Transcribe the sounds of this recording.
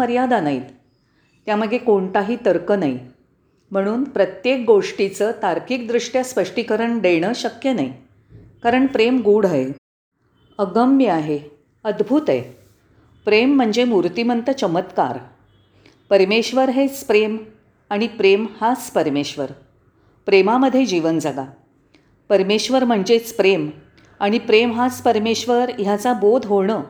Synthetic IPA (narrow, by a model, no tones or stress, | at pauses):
əɾjad̪anait̪ | t̪jaməɡʱekoɳt̪aɦiːt̪əɾkənaj | m̤əɽ̃uːnpɾət̪jek̚ɡoʂʈit͡səːt̪aɾkiːkd̪ɾuʂʈjaspəʂʈikəɾəɳɖeɽ̃əɕəkjənaj | kaɾəɳpɾemɡuːɽaɦe | əɡəmjəaɦe | əd̪bʱuːt̪ḛ | pɾem̤ːəɳd͡ʑemuɾt̪imənt̪ət͡ɕəmət̪ka̰ɾ | pəɾmeɕʋəɾɦet͡spɾem | aɽ̃ipɾemhat͡spəɾmeɕʋəɾ | pɾemaməd̪ʱːjed͡ʑiʋənd͡zəɡa | pəɾmeɕʋəɾm̤əɳd͡ʑet͡spɾem | aɽ̃ipɾemɦaspəɾmeɕʋəɾjat͡sabod̪ʱɦoɳə